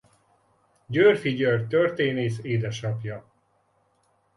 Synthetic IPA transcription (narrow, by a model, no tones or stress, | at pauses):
ɟørfiɟørt̪ørt̪eːneːʃeːd̪ɛʃɒpjɒ